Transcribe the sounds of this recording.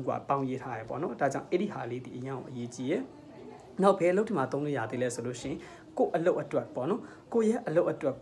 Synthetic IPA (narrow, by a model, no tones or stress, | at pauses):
ɡwa̰pãʊ̃jetʰajɛpɔ̰nɔdad͡ʑãʊ̃ʔɛɹihaled̪ḭʔəjãʔʊ̰̃ʔəjet͡ɕijɛ | naʊʔbɛlotʰːimat̪õleja̰d̪ðḛɛsolo̰ʃɪ̃ɪ̃ | koʔəloʊʔːətwɛpɔ̰nɔ | kojɛʔəloʊʔːətwɛ